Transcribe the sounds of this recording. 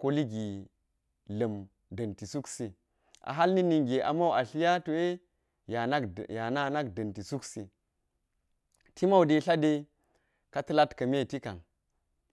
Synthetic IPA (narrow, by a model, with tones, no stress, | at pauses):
ko˦li˦ɡi˨ | lə˨m | də˨nti˨su˦ksi˨ | a̰˨ɦa˦lni˦ni˨ŋɡe˨ʔa̰˨ma˦wa˨ɬi˦ja˦to˨e˦ | ja˨a˦kja˨na˦˨na˦kdə˨nti˨su˦ksi˨ | ti˦ma˦u˨de˨ɬa˦de˦ | ka˦tɨ˦la˦tkɐ˨me˦˨ti˦ka˨n